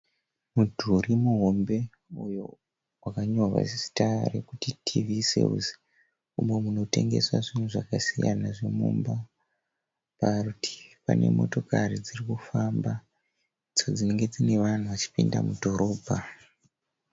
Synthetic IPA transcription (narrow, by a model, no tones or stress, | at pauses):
mudʱuɾimuɦo̞mbe̞ | ujo̰ | wakaɲo̞rwa̰si̥tarekutitʰivisḛz | umwe̞muno̞te̞ŋɡe̞swaʐin̤uʐakasija̰naʐemumba | parutʰi̥pa̰ne̞̰mo̞̰to̞karid͡zirikufamba | id͡zo̞d͡zine̞ŋɡe̞d͡zine̞ʋan̤uʋat͡ʃi̥pinda̰mudʱo̞ɾo̞ːbʱa